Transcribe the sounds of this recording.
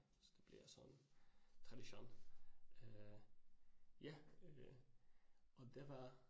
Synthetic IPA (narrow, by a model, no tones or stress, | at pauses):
sɔd̪̥ɛb̥lɪ̰sɔ̰nːt̪ʰʁɑd̪ɪʃo̰ːn | jæ | ɔd̪ɛʋɑ